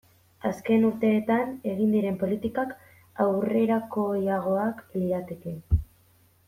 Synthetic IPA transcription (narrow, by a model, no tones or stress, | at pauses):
aske̞nuɾt̪e̞ːt̪ane̞ɣind̪iɾe̞mpo̞lit̪ikak | awre̞ɾako̞jaɣ̞o̞akliɾat̪e̞ke̞